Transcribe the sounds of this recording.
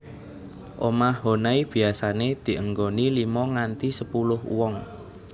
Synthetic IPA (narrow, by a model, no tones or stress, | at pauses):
ʔomahɦonaib̥i̤asaned̪̥i̤ʔəŋɡonilimɔŋant̪isəpulʊhwɔŋ